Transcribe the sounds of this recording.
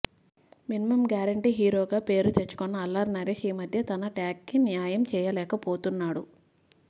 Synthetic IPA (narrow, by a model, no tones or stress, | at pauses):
minimɐmɡjaːɾɐɳʈiɦiːɾoːɡaːpe̞ːɾut̪et͡ʃːu̥kɔnːɐːlːɐɾnɐɾeʃiːmɐd̪ʱjɐt̪ɐnɐʈjaːkːinjaːjɐmt͡ʃɛːjɐlɛːkɐpoːt̪unːaːɽu